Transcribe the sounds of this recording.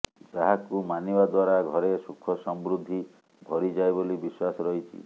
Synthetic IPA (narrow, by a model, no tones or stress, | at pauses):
d͡ʒaɦakumanibad̪waɾaɡʱɔɾesukʰːɔsɔmbɾud̪ʱːi | bʱɔɾid͡ʒajbolibiswasɔɾɔɦit͡ʃʰḭ